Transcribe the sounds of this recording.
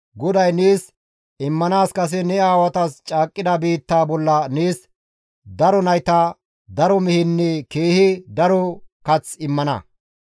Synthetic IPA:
ɡɔd̪ɐjniːs | ɪmːɐnaːskɐs̬ɛnɛaːwɐt̪ɐst͡ʃʼaːkʼːɪd̪ɐbiːt̪ːaːbɔlːɐniːs | d̪ɐɾɔnɐjt̪a | d̪ɐɾɔmɪhɪnːɛkeːhɪd̪ɐɾɔkɐt͡sɪmːɐnɐ̰

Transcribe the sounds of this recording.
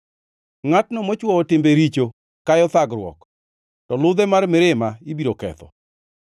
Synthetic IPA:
ŋatnɔmɔt͡ʃwɔɔtɪmbeɾit͡ʃo | kajɔt̪aɡɾwɔ̰k | tɔlʊd̪ɛmaɾmɪɾɪmaibiɾokɛ̰t̪ɔ̰

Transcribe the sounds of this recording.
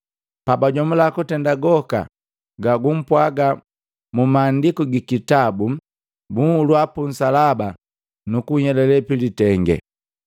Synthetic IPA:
pabaɟɔmulakɔtɛndaɡɔka̰ | ɡaɡum̩pwaɡa | mumaːndikuɡikitabu | buŋhulwapun̩salaba | nukuɲɛlɛlɛpilitɛŋɡɛ̰

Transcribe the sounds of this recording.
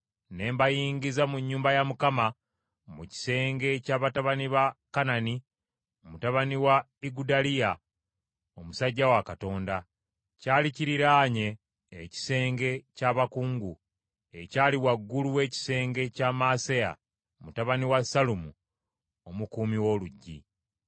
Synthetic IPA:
ne̞ːmbajiːŋɡizamuɲːuːmbajamukama | muci̥se̞ːŋɡe̞caːβataβaniβakanani | omutaβaniwa | iɡudalija | o̞musaɟːawakato̞ːnda | caːliciɾiɾaːɲe̞ː | ci̥se̞ːŋɡe̞caːβakuːŋɡu | e̞caːliwaɡːuluwe̞ːci̥se̞ːŋɡe̞caːmaːseja̰ | omutaβaniwasalumṵ | omukuːmiwo̞ːluɟːḭ

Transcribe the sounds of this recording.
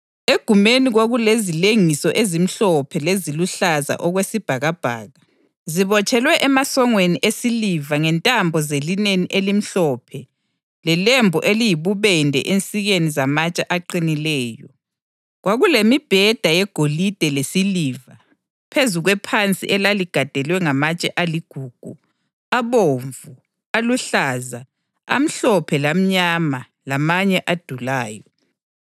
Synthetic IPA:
eɡ̥ʱumeniɣoɣulezileŋisɔʔezim̩ɬɔpʰɛleziluɬaza̰ʔɔɣwesib̥ʱaɣab̥ʱa̰ːɣa | ziβɔt͡ʃʼɛlwɛʔɛmasɔŋweniʔesilivaŋɛntʼambʱɔzelineniʔelim̩ɬɔpʰɛ | lɛlɛmbʱɔʔelijiβuβɛndʱɛ̰ʔent͡sʼiɣenizamat͡ʃʼaʔaǃinilɛːjɔ | ɣwaɣulemib̥ʱɛd̥ʱajɛɡ̥ʱolid̥ʱɛlesiliːva | pʰezuɣwɛpʰant͡sʼḭʔɛlaliɡ̥ʱad̥ʱɛlwɛŋamat͡ʃʼɛʔaliɡ̥ʱuːɡ̥ʱu | aβoɱvu | aluɬaːza | a̰m̩ɬɔpʰɛlam̩ɲama | lamaɲɛʔad̥ʱulaːjɔ

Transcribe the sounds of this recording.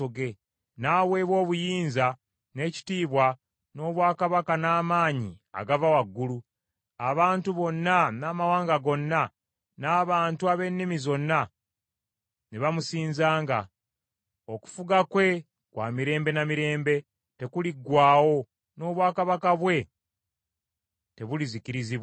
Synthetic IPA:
oɡe̞ | naːwe̞ːβwo̞ːβujiːnza | ne̞ːci̥tiːβwa | no̞ːβwaːkaβakanaːmaːɲia̰ɡavawaɡːulu | aβaːntuβo̞nːanaːmawaːŋɡaɡo̞nːa | naːβaːntuaβe̞nːimizo̞nːa | neβamusiːnzaːŋɡa̰ | o̞ku̥fuɡakwe̞ | kwa̰ːmiɾe̞ːmbe̞namiɾe̞ːmbe̞ | te̞kuliɡwaːwo̞ | no̞ːβwaːkaβakaβwe̞ | te̞βuliziciɾiziβwa

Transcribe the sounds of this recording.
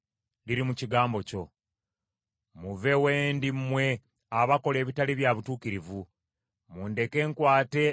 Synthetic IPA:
liɾimuciɡaːmbo̞co̞ | muve̞weːndimːwe̞ | aβako̞le̞ːβitaliβjaβutuːkiɾivu | muːnde̞ke̞ːŋkwaːte̞

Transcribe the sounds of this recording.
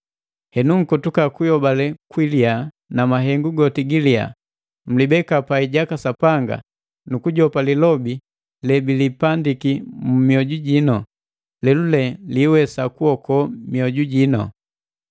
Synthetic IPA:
hɛnuŋ̩kɔtukakujɔbalɛkwilia | namaɦɛŋɡuɡɔtiɡilia̰ | m̩libɛkapaiɟakasapaŋɡa̰ | nukuɟɔpalilɔbi | lɛbilipandikimumiɔɟuɟinɔ | lɛlulɛliːwɛsakuɔkɔmiɔɟuɟinɔ̰

